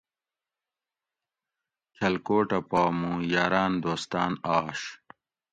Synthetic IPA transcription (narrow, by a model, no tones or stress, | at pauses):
kʰɐlkoːʈɐpaːmũːjaːɾaːnd̪oːst̪aːnaːʂ